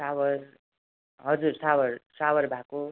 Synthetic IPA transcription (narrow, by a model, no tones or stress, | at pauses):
sawʌr | ɦʌd͡zursawʌrsawʌrbʱako